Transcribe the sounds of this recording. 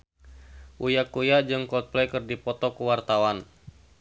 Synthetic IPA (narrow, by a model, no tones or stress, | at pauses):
ʔujakujad͡ʒɨŋkɔt̪̚plɛkɨrdipɔt̪ɔkuwart̪awan